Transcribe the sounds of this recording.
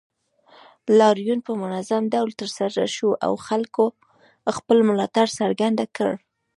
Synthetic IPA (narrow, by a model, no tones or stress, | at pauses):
lɑɾjunpəmʊnazamd̪awlt̪əɾsaɾa̰ʃuʔa̰wxalko | xpəlmʊlɑt̪aɽsaɾɡand̪akə̰ɽ